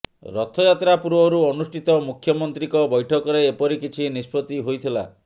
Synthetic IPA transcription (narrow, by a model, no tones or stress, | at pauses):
ɾɔt̪ʰɔjat̪ɾapuɾwɔɾuɔnusʈʰit̪ɔmukʰjɔmɔnt̪ɾikɔbɔjʈʰɔkɔɾeːpɔɾikit͡ʃʰinispɾɔt̪iɦojt̪ʰila̰